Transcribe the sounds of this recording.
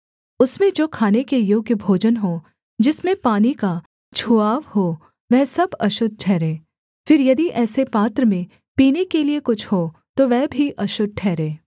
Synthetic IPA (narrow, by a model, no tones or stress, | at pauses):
ʊsmẽd͡ʒoːkʰaːnekejoːɡjəbʱoːd͡ʒənɦoː | d͡ʒɪsmẽpaːnika | t͡ʃʰuaːʋho | ʋɛɦsɐbɐʃʊd̪̚ʱʈʰɛːɾẽː | fɪɾjɐd̪iʔɛːsepaːt̪ɾəmẽ | piːnekeliekʊt͡ʃʰhoːt̪oʋɛɦbʱiʔɐʃʊd̪̚ʱʈʰɛːɾẽː